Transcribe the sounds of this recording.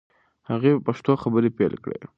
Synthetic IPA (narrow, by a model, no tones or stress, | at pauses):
haɣepaʃt̪oxabəɾepelkɽḛ